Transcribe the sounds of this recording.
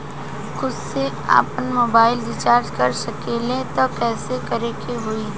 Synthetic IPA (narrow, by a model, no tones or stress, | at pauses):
xʊd̪se | a̰ːpənmoːbaːɪlɖɪt͡ʃaːɾd͡ʒkɐɾsɐkeːlẽt̪okɛːsekɐɾekʰeɦʊi